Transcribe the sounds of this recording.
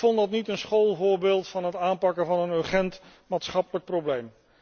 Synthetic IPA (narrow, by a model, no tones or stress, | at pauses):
fɔntdɑtnitənsχowlˠvʊːɹbeːlˠtfɑnɦətaːmpɑkəvɑnənøχɛnt | maːtsχɑpələk̚prowblejm